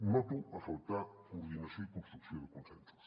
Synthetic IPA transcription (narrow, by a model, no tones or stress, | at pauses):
mɔt̪uafawt̪akuɾðinasjõikonst̪ɾuksjõðəkonsɛ̃nsɐ̥s